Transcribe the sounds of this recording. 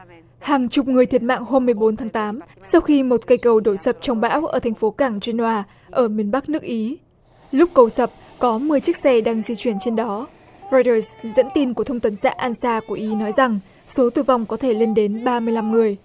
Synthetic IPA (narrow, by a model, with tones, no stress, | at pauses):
haː˨˩ŋt͡ɕʊ˨˩k͡p̚ŋɨ˨˩əjt̪ʰi˨˩ət̚ma̰ː˧˨ŋɦo˧mːɨ˨˩əjɓo˨˦nt̪ʰaː˨˦ŋt̪aː˨˦msa˧wxi˧mo˨˩t̚kə˧jkə˨˩wɗo˧˩sə˨˩p̚t͡ɕɔ˧wŋ͡mɓa̰ː˧˥wʔəː˧˩t̪ʰa˨˩jŋ̟fo˨˦kaː˧˩ŋt͡ɕwi˧nhwaː˧ | ʔəː˧˩mi˧ənɓa˦˥k̚nɨ˦˥ək̚ʔi˨˦ | lʊ˦˥k͡p̚kə˨˧˩wsə˨˩p̚kɔ˨˦mɨ˨˩əjt͡ɕɨ˦˥k̚sɛ˧ɗaː˧ŋzi˧t͡ɕwi˧˩ənt͡ɕe˧nɗɔ˨˦ | ɹɔ˧jtəː˧szə̰˧˥nt̪i˧nku˧˩t̪ʰə˧ŋ͡mt̪ə˨˦nsa̰ː˧˥ʔaː˧nsaː˧ku˧˩əʔi˨˦nɔ˨˦jza˨˩ŋ | so˨˦t̪ɨ˨˩va˧˩wŋ͡mkɔ˨˦t̪ʰe˧˩le˧nɗe˨˦nɓaː˧mɨ˧əjla˧mŋɨ˨˩əj